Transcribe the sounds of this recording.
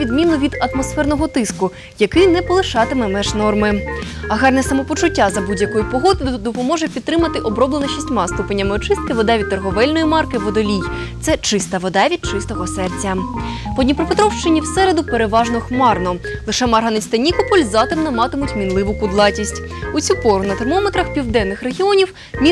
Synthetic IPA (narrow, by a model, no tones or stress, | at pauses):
id̪mʲinʊʋʲid̪ɐt̪mɔsfɛrnɔɦɔt̪ɪskʊ | jɐkɪjnɛpɔlˠɪʃɑt̪ɪmɛmɛʒnɔrmɪɐɦɑrnɛsɐmɔpɔt͡ʃʊtʲːazɐbudʲjɐkɔjʊpɔɦɔd̪ɪd̪ɔpɔmɔʒɛpʲid̪t̪t̪ːɾɪmɐt̪ɪʔɔbɾɔblenɔʃisʲtʲmɑst̪upenʲːɐmɪɔt͡ʃɪst̪̚kɪʋɔd̪ɑʋʲid̪̚t̪ɐrɦɔʋɛlʲnɔjimɑrkɪʋɔd̪ɔlʲij | t̪sɛt͡ʃɪst̪ɐʋɔd̪ɑʋʲid̪̚t͡ʃɪst̪ɔɦɔsɛrt͡sʲɐ | pɔdʲnʲipɾɔpet̪ɾɔwʃt͡ʃɪnʲiwsɛɾed̪ʊpeɾeʋɑʒnɔxmɑrnɔlˠɪʃɛmɐrɦɐnɪst̪ɐnʲikɔpɔlʲzɑt̪ɪmnɐmɑt̪ɪmʊtʲmʲinlˠɪʋʊkʊd̪lˠɑtʲisʲtʲ | ʊt͡sʲupɔɾʊnɐt̪ermɔmet̪ɾɐxpʲiwd̪ɛnːɪxreɦʲiɔnʲiw | mʲi